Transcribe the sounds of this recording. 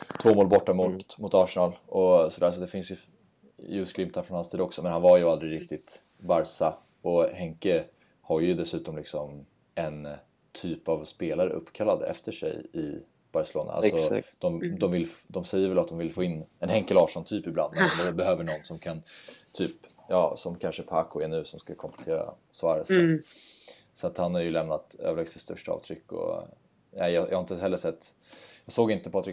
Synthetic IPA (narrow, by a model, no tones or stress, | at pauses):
t̪ʰv̥oːmoːlbɔʈːamʊt̪mʊt̪ɑːʂɛnɑlɔsɔd̪æːɾs̬ɔt̪d̪ɛfɪnsjɵ | jʉːsɡlɪmpt̪hæɾfɾɔnhasiːd̪ɔksɔmɛnhanvaɾjɵald̪ɾɪɾɪk̚t̪ɪt̪ | baɾsa | ɔhɛŋkə | haɾjɵd̪ɛsʉ̟ːt̪ɔmlɪksɔm | ɛn | t̪ʰyːpavspeːlaɾə̰ʔɵ̰pːkʰalːad̪ɛ̰ft̪əʂɛ̰jɪ̰ | b̥aɾsɛlo̰ːna̰a̰sɔd̪̥ɔmd̪ɔmvɪlːd̪ɔmsɛjːəɾvɛlat̪̚d̪ɔmvɪlfoːɪnːɛnhɛŋkəlɑːʂɔnt̪ʰyːpɪbla̰nd̪mɛnd̪ɔɛbɛhøːvəɳɔnːsɔmkʰant̪ʰyːp | jɑːsɔmkʰanʂəpʰaːkʊɛɳʉ̟ːsɔmskakʰɔmplɛt̪ʰeːɾa̰sɔæɾɛsɛ | sɔat̪hanhaɾjɵlɛmnat̪ø̰ːvəlɛːɡsɪst̪ɵʂʈɑ̰ːvt̪ʰɾʏkːɔ̰ | næɪjɑjɑːhaɪnt̪əɦɛlːəʂsɛt̪ː | jɑːɡsoːɡɪnt̪əpʰɑːt̪ɾɪ